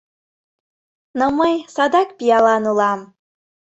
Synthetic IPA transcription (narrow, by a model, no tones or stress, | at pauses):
nomɤjsɑd̪ɑkpijɑlˠɑnulˠɑm